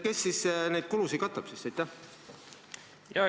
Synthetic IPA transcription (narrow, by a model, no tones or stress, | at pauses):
ke̞sːisnejd̪̥̚kulusid̪̚kɑt̪ːˑɑb̥sisejt̪ːˑæ | jɑ